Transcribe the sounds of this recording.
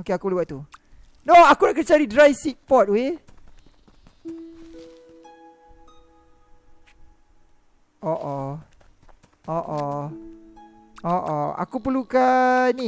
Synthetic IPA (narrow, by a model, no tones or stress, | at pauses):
okeakupəluwaʔ̪t̪u | noakunaʔkət͡ʃaɾidɾajsik̚pɔt̪̚wwe | oʔɔ | ʔoʔɔ | oʔɔa̰kupəlukani